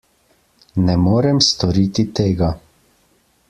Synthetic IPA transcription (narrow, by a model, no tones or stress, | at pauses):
nɛmoːɾɛmst̪ɔɾiːt̪it̪eːɡa